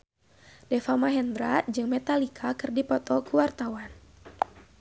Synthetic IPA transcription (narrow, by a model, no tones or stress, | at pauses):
dɛfamaɦɛnd̪ɾat̚d͡ʒɨŋmɛt̪alikʰakɨrdipɔt̪ɔkuwart̪awan